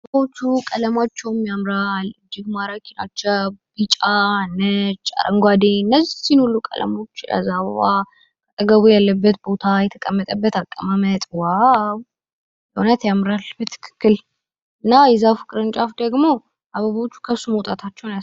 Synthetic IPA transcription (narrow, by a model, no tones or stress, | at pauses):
ʔaaəβot͡ʃːukʼələmat͡ʃːɛwmːiamɾalɨd͡ʒːɪɡmaɾakʰina̰t͡ʃːɛb̥it͡ʃʼanːət͡ʃʼːa̰ɾʔə̰ŋɡʷad̪eɲɨnːəzisinolːukʼə̰lə̰mo̞t͡ʃːə̰zːaββa | kət̪ʼəɡəβujalːəbːət̪bo̞t̪ʰajɛt̪ʰəkʼəmːət̪ʼəbːət̪akʼːəmamət̪ʼwaw | ləunət̪jamɾalbət̪ʰɨ̥kʰɨ̥kːɨl | ɨnːajɛzafɨkʼɾɨnt͡ʃʼafd̪əɡmo̞ | ʔaβəβot͡ʃːu̥kʰəsuməwt̪ʼat̪ʰat͡ʃːɛwna